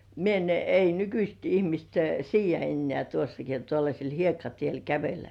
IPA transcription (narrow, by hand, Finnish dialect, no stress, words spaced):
mie en ei nykyst ihmist siːjˑæ enːĕæˑ tuosːɑki on tuolːɑsʲel hiekːɑtiel kæʋelːæ